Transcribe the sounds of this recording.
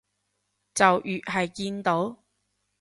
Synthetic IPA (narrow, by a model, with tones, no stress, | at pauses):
t͡sɐ˨wʔyː˨t̚ɦɐ˨jkiː˧nt̪o˨˥w